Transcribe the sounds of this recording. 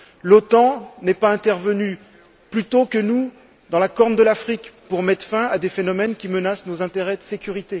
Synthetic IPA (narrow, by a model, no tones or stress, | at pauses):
lot̪ɑ̃nɛpaɛ̃t̪ɛʁvəny | plyt̪okənu | d̪ɑ̃lakɔʁnd̪əlafχikpuʁmɛt̪χfɛ̃ad̪efenɔmɛnkʲimənasnozɛ̃t̪eʁɛd̪əsekʲyʁit̪e